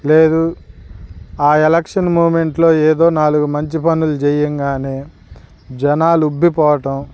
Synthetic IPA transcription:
leːd̪u | aːelɐkʂɐnmuːme̞ɳʈlo̞ːeːd̪o̞ːnaːluɡumɐɲt͡ʃipɐnulud͡ʒejːɐŋɡaːneː | d͡ʒɐnaːlubʱːipɔːʋɐʈɐm

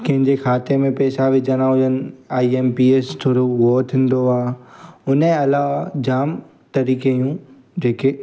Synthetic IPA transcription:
kɐ̃ɦɪ̃ɲd͡ʑexʰaːt̪emẽpɛːsaʋɪd͡ʑɐnãɦʊjən̆aːieːmpiːest̪ʰoːɽoʋoːt̪ʰɪ̃n̆d̪oaːʊnẽɐlad͡ʑaːm | t̪ɐɾiːkejũ | d͡ʑeːke

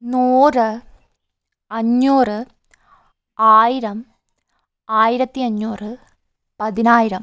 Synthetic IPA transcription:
nuːrɨ | ɐɲːuːrɨ | aːjiɾɐm | aːjiɾɐt̪ːiɐɲːuːrɨ | pɐðinaːjiɾɐm

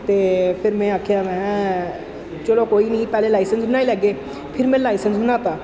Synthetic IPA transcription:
t̪eːpʰɪɾmɛ̃ːaːkʰjaːmɛ̃ː | t͡ʃəloːkoːiːnĩːpɛːleːlaːisənsbənaːiːlɛːɡeː | pʰɪɾmɛ̃ːlaːisənsbənaːt̪aː

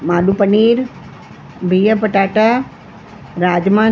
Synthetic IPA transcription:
maːɗupəniːɾ | bʱiːəpəʈaːʈa | ɾaːd͡ʒmaː

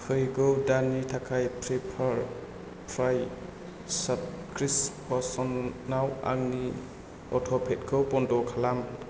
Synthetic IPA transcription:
hʰɯjɡɯwdanitʰakʰajpʰɾipʰaɾ | pʰɾaj | sap̚ | kʰɾispɔsɔnːawa̰ŋni | ɔtʰɔpʰet̚kʰɯwpɔndɔkʰalam

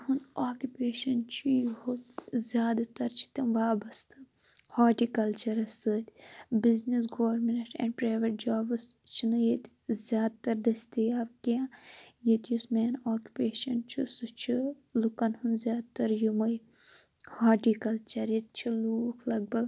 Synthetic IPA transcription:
ɦunaːkʲjupeːʃɐnt͡ʃʰijuhuzʲjaːd̪t̪ɐɾt͡ʃʰi̥t̪ɐmʋaːbɐst̪ɨ | haːʈikɐlt͡ʃɐɾɐsɨt̪ʲbiznis̬ɡoːɐɾmenʈɛ̰̃ːɳɖpɾaːʋeʈ̚d͡ʒaːbɨst͡ʃʰinɨjet̪ʲ | zʲjaːd̪̚t̪ɐɾd̪ɐst̪ijaːbkijãjet̪jusmeːnaːkʲju̥peːʃɐnt͡ʃʰusɨt͡ʃʰi | lukɐnhunzʲjaːd̪̚t̪ɐɾjumɐj | haːʈiːkɐlt͡ʃɐɾjit̪̚t͡ʃʰiluːkʰlɐɡ̚bɐɡ

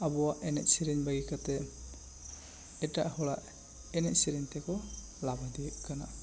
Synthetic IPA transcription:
abɔwaʔɛnɛc̪̚siɾiɲbaɡikat̪ɛ | ɛʈa̰ʔhɔɽaʔ | ɛnɛc̚siɾiɲt̪ɛkɔ | labad̪iɛʔkana

